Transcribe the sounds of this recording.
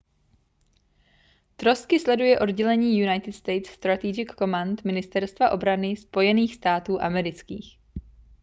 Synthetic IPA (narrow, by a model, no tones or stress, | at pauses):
t̪ɾo̞st̪kɪslɛdujɛʔo̞dɟɛlɛɲiːjunajt̪ɪt̪st̪ɛjt̪sst̪ɾat̪id͡ʒɪkːo̞mant̪mɪnɪst̪ɛɾst̪vaʔo̞bɾanɪspo̞jɛniːxst̪aːt̪uːʔamɛɾɪt͡skḭːx